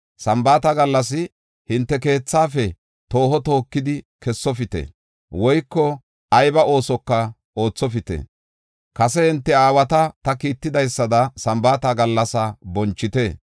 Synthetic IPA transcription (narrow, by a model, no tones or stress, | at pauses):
sɐmbaːt̪ɐɡɐlːɐs̬ɪ | hɪnt̪ːɛk̬e̞ːt͡sːaːfɛ | t̪o̞ːhɔt̪o̞ːkːɪd̪ɪ | kɛsːɔfɪt̪ḛː | wɔjkːɔ | ɐjbɐo̞ːsɔkːɐ | o̞ːt͡sːɔfɪt̪ḛ | kɐsɛhɪnt̪ːɛaːwɐt̪ɐt̪ɐkiːt̪ːɪd̪ɐjsːɐd̪ɐsɐmbaːt̪ɐɡɐlːɐsɐbɔnt͡ʃːɪt̪eː